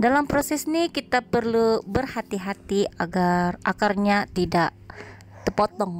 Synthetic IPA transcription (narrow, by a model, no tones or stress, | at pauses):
dalampɾosɛsnikit̪apərlubərhat̪iɦat̪iaɡarʔa̰kɪrɲat̪idaʔ | t̪əpot̪ɔŋ